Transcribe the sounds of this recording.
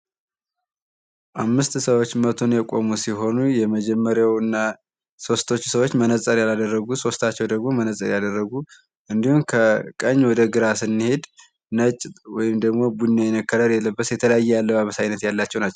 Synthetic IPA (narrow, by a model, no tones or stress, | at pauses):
ʔamːɨst̪səwo̞t͡ʃːmət̪ʰo̞njɛkʼo̞musiɦo̞nujɛməd͡ʒɛmːəɾjawɨnːa | so̞st̪ʰo̞t͡ʃːsəwo̞t͡ʃːmənəsʼəɾjalad̪ərːəɡuso̞st̪ʰat͡ʃːɛwd̪əɡmo̞mənəsʼə̰ɾjad̪ərːəɡu | ʔɨnd̪ihumkʰəkʼəɲːwɔd̪əɡɨɾasɨnːihe̞d̪ | nət͡ʃʼwɔjɪmd̪əɡmo̞bunːojɛnəkːəɾəɾjɛlːəbːəsjɛt̪ʰələjajːɛjalːəβaβəsajnət̪jalːat͡ʃːɛwnat͡ʃːɛw